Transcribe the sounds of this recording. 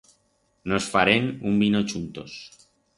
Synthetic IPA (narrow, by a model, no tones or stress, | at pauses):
nosfaɾenumbinot͡ʃunt̪o̰s